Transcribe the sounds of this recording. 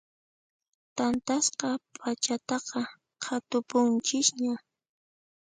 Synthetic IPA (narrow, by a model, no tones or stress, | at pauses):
t̪ant̪asqɑpʰat͡ʃat̪ɑqɑ | qʰat̪ʊpʊnt͡ʃɪsɲa